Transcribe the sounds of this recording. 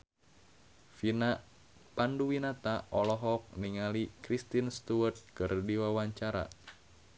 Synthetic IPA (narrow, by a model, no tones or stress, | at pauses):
finaʔ | panduwinat̪aʔɔlɔɦɔk̚niŋalikɾist̪inst̪uərt̪̚kɨrdiwawaɲt͡ʃaɾa̰